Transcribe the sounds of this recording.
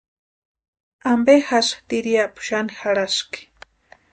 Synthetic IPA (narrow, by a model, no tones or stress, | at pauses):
ambexaʃt̪iɾiapʊ̥ʃanixaɽaʃki̥